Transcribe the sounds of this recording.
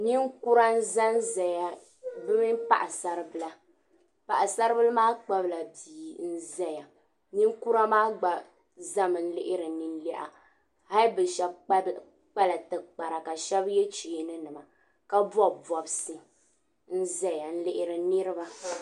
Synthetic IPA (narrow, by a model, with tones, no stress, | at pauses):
ni˦ŋ˦ku˦ɾa˦n̩˦za˦n˦zɛ˨ja˦ | bɨ˦mi˦mpa̰˨ʔa˨sa˨ɾɨ˦bɨ˦la˦ | pa˨ʔa˨sa˦ɾɨ˦bɨ˦lmaː˦k͡pa˦bla˨diː˨n̩˦zɛ˦ja˨ | ni˦ŋ˦ku˦ɾa˦maː˦ɡ͡ba˨ | za˦mɨ˨n̩˦lɪ˦ʔɪ˦ɾɨ˨nɨ˨n˦lɛ˦ʔa̰˨ | ha˦lbɨ˨ʃɛ˦b | k͡pa˦la˨tɨ˨k͡pa˨ɾa˨ka˨ʃɛ˦bjɛ˦t͡ʃi˨nɨ˦nɨ˨ma˨ | ka˦bɔ˦bɔ˨bsɨ˦ | n̩˦zɛ˦ja˨n̩˦lɪ˦ʔɪ˦ɾɨ˨nɨ˦ɾɨ˦ba˦